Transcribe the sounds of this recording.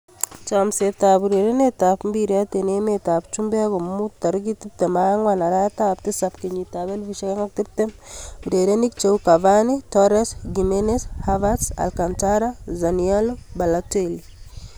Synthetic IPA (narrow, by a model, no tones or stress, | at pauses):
t͡ʃamsep̚tabuɾeɾenetapmbiɾatenemetapt͡ʃumbɛɡommːutaɾɡitip̚temaŋwanaɾatap̚tisapkiɲitabelviʃakeŋak̚tip̚tembuɾeɾenikt͡ʃewkavanitɔɾesɡimeneshavasa̰lkantaɾazanialobalat͡ʃeili